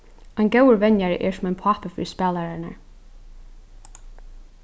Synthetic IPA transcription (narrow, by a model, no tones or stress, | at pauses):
ajnɡɛwəɹʋɛnjaɹ̰ʔɛ̰ɹsʊmaɪjnpʰaːpəfɪ̰ːispæːlaɹana̰ɹ